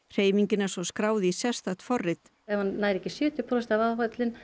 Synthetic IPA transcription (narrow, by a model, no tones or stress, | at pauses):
r̥eːjmiɲcɪnḁsɔskɾaːwðɪisɛ̥st̪at̪fɔrːɪt̪ | ɛvannaːjɾɛcɪsjʏːt̪ʏpʰɾɔsɛt̪avaɦœt̪lɪn